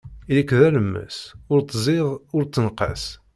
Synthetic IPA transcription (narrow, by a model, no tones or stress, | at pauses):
ilikːðæləmːə̰sʊɾt͡sːzˤɪðˤʊɾt͡sːənqə̰s